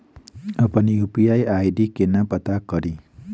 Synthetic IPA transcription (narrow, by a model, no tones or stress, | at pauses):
ʌpʌnijupiajajɖikenapʌt̪akʌɾi